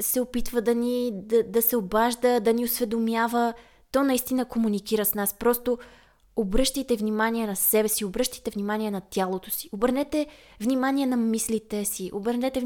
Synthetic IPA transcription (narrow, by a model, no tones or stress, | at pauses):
sɛopit̪vəd̪ɐnid̪ɐd̪ɐsɛobaʒd̪əd̪ɐniosvɛd̪omjavə | t̪ɔnɐist̪inəkomunikiɾəsnaspɾɔst̪o | obɾɤʃt̪əjt̪ɛvnimaniɛnɐsɛbɛsiobɾɤʃt̪ə̥t̪ɛvnimaniɛnɐt̪ʲjalˠot̪osi̥obəɾnɛt̪ɛvnimaniɛnɐmislit̪ɛsiʔobəɾnɛt̪ɛv